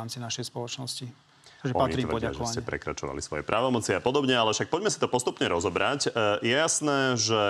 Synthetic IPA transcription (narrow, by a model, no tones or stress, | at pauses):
amt͡sinaʃɛjspɔlɔt͡ʃnɔsci | t̪aɡʒɛɔpaɲiɾiɔaaʒɛɔscɛpɾɛ̰kɾa̰t͡ʃɔʋa̰lḭsʋɔjɛ̰pɾʔaʋɔmɔt͡sɪapɔd̪ɔbɲɛalɛfʃak̚pɔɟmɛsit̪ɔpɔst̪upɲɛɾɔzɔbɾacjɛjasnɛːʒɛ